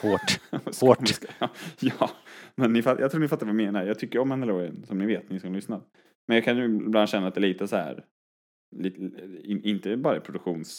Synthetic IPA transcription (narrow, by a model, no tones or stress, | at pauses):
oːʈsoːmskːjɑːmɛnːɪfatjɑt̪ʰɾuːnɪfat̪ːaɾvaɪmeːnaɾjɑɡt̪ʰʏkːəɾɔmɛnːəloɾənsɔmnɪveːt̪nɪsɔmlʏsna | mɛnjɑːkʰanjʊɪblanɕɛnːat̪̚d̪ɛːliːt̪əsɔhæ̰ːɾ | lit̪ɪɪnt̪əbɑːɾaɛpʰɾʊd̪ɵkɧuːns